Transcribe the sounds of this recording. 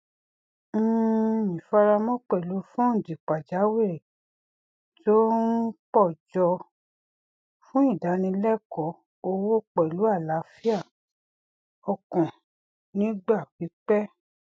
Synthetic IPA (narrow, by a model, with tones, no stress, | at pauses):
ĩ˨fa˧ɾa˧mɔ̃˦k͡pɛ˦˨lu˨˦fũ˦n̩˨di˨k͡pa˨d͡ʒa˨˦we˦˨ɾe˨ | to˦n̩˦k͡pɔ˦˨d͡ʒɔ˧ | fũ˦i˦˨da˨˦nĩ˧lɛ˦kɔ˧˦ | o˧wo˦k͡pɛ˨lu˨˦a˦˨la˨˦fi˦a˦˨ | ɔ˨kɔ̃˨ | nĩ˨˦ɡ͡ba˦˨k͡pi˨˦k͡pɛ˦